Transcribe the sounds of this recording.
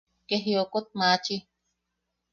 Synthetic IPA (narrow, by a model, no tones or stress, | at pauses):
keɦjokot̪̚maːt͡ʃi